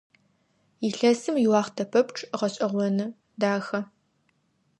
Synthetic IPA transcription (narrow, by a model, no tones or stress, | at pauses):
iɬɐsɨmjɪwɑːχtʰɐpʰɐpʈ͡ʂʰʼʁɐɕʼɐʁʷɔnɨ | daːxɐ